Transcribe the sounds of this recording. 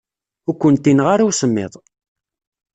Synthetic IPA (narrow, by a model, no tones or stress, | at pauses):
ʊɾkʷːənt̪ːinʁaɾawsəmːɪ̰ðˤ